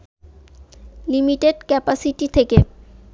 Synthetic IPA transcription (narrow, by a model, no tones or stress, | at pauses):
limiʈeɖkɛpasiʈit̪ʰeke